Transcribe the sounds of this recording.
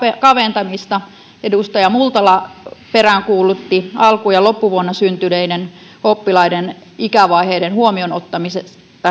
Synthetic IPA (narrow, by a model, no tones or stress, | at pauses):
ekɑʋent̪ɑmist̪ɑ | edust̪ɑjɑmult̪ɑlɑperæŋkuːlut̪ːiɑlkujɑlopːuʋuonːɑsynt̪yleinen | opːilɑiden | ikæʋɑiheidenhuomionot̪ːɑmises | t̪ːɑ